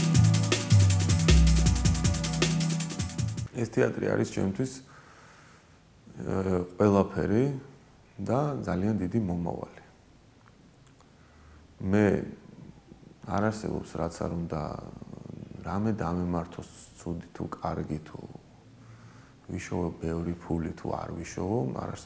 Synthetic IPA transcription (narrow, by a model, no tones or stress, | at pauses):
ɛst̪ʰɛat̪ʼɾḭa̰ɾist͡ʃʰɛ̰mt̪ʰwis | qʼwɛlˠapʰɛɾi | d̪ad̪zaliand̪id̪imɔma̰va̰li | mɛ | aɾaɾsɛbɔ̰psɾat̪sʰaɾund̪a̰ | ɾamɛd̪amɛmaɾt̪ʰɔst̪sʰud̪it̪ʰukʼaɾɡit̪ʰṵ | viʃɔvɛbɛvɾipʰulit̪ʰṵa̰ɾviʃɔvɔa̰ɾas